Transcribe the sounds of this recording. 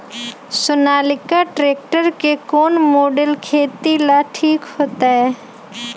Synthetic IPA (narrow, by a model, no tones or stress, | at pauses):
sʊnaːlɪkaʈɾeːk̚ʈəɾkekoːnmoːɖəlkʰeːt̪ilaʈʰiːkhoːt̪aɦɛː